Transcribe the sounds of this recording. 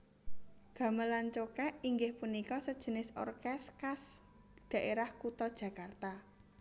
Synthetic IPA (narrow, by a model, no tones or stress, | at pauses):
ɡ̥a̤məlant͡ʃokɛʔiŋɡɪhpunikɔsəd̥ʒ̥ə̤nɪsɔ̰rkɛskas | d̪̥ä̤ʔeɾahkut̪ɔd̥ʒ̥ä̤kart̪a